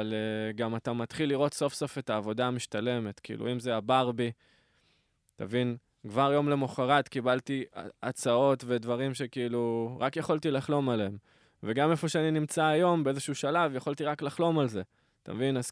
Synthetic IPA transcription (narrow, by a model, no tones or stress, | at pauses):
aleɡamatamat̪χilːiʁo̞t̪so̞fso̞fe̞taːvo̞damiʃtale̞me̞t̪kiḭlʔṵimze̞abaʁbi | ta̰vin | kvaʁjo̞mle̞moχaʁatkibaltia̰t͡sao̞tve̞d̪vaʁimʃe̞kiiluʁakjaχolt̪ilaχlo̞maleem | ve̞ɡame̞fo̞ʃeaninimt͡saːjo̞mbee̞zeʃuuʃalavjaχolt̪iʁaklaχlo̞malze̞ | ta̰mvinaz